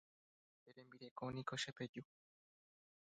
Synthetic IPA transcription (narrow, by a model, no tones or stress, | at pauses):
eɾembiɾekonikoʃeped͡ʒu